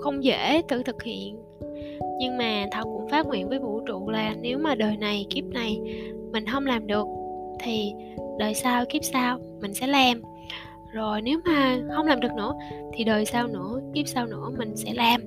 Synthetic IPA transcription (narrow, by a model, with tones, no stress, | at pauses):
xə˧wŋ͡mzḛ˧˥t̪ɨ̰˧˨t̪ʰɨ˨˩k̚hḭ˧˨ən | ɲɨ˧ŋmaː˨˩t̪ʰə˨˧˩wkʊ̰˧˥ŋ͡mfaː˦˥ŋwḭ˧˨ənvəː˨˦jvṵ˧˩˨t͡ɕṵ˧˨laː˨˩ne˨˦wmaː˨˩ɗəː˨˩jna˨˩jki˦˥p̚na˨˩jmï˨˩ŋ̟ɦə˧wŋ͡mlaː˨˩mɗɨ˨˩ək̚t̪ʰi˨˩ | ɗəː˨˩jsaː˧wki˦˥p̚saː˧w | mï˨˩ŋ̟sɛ̰˧˥laː˨˩m | zo˨˩jne˨˦wmaː˨˩hə˧wŋ͡mlaː˨˩mɗɨ˨˩ək̚nɨ̰˧˥ət̪ʰi˨˩ɗəː˨˩jsaː˧wnɨ̰˧˥əki˦˥p̚saː˧wnɨ̰˧˥əmï˨˩ŋ̟sɛ̰˧˥laː˨˩m